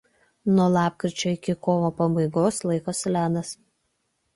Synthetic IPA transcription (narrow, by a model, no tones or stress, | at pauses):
nuɔlˠɑːp̚kɾʲɪt͡ʃʲoːɪkʲɪkoːʋopɐbɐɪɡoːslˠɐɪkoslʲæːd̪ɐs